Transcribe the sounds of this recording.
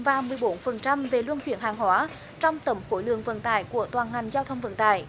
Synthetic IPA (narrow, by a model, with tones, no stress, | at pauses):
vaː˨˩mɨ˨˩əjɓo˨˦nfə˨˩nt͡ɕa˧mve˨˩lwə˧nt͡ɕwḭ˧˩ənhaː˨˩ŋhwaː˨˦ | t͡ɕɔ˧wŋ͡mt̪ə˨˦˩mfo˧˦jlɨ̰˧˨əŋvə̰˧˩n̚t̪a̰ː˧˨jku˧˩ət̪waː˨˩nŋa˨˩jŋ̟zaː˧wt̪ʰə˧wŋ͡mvə̰˧˩n̚t̪a̰ː˧˨j